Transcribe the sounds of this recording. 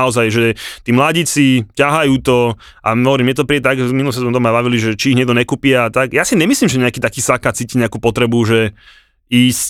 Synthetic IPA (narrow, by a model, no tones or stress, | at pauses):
aɔzajʒɛt̪iːmlaɟiːt͡sicaɦajuːt̪ɔ | ʔa̰ɦɔʋɔɾiːmjɛt̪ɔpɾiɛt̪aɡʒɛminulɔs̬ɛzmɛt̪ɔmabaʋiliʒɛt͡ʃiːɦɲɛɡ̚d̪ɔɲɛkuːpiaat̪akjasiɲɛmisliːmʒɛɲɛakiːt̪akiːsakat͡siːciɲɛakuːpɔt̪ɾɛbuʒɛ | iːsc